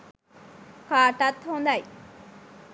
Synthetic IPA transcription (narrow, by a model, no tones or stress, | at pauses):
kaːʈat̪hond̪ɐj